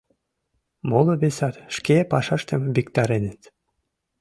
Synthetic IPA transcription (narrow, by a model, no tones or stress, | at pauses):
molˠoβesɑt̪ʃkepɑʃɑʃt̪ə̆mbikt̪ɑɾenə̆t̪